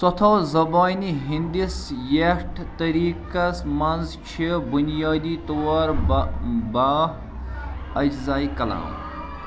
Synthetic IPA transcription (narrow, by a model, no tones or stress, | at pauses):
sɔt̪ʰawzɐbaniɦind̪isjeʈʰt̪ɐɾikasmanzt͡ʃʰibunijaːd̪it̪owaɾ | ba | ɐd͡ʒzajkɐla̰ːm